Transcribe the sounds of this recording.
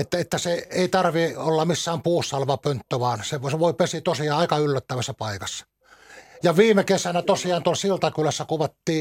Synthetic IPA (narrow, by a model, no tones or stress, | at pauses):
et̪ːæet̪ːæseeˑit̪ɑrʋiolːɑmisːæːmpuːsːɑlʋɑpønt̪ːøʋɑːnseʋseʋoˑipesit̪osiɑːɑˑikɑylːæt̪ːæʋæsːæpɑikɑsːɑ̥ | jɑʋiːmekesænæt̪osiɑːnt̪uolsilt̪ɑkylæsːækuʋɑt̪ːiː